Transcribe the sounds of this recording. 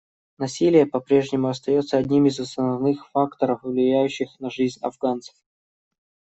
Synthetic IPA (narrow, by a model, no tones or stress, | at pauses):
nɐsʲilʲɪjəpɐpɾʲe̞ʐnʲɪmʊɐst̪ɐjo̞t̪səɐdʲnʲimɪzɐst̪ənɐvnɨxfakt̪əɾəfvlʲɪjæjʉɕːɪxnɐʐɨzʲnʲɐ̰vɡant̪sə̥f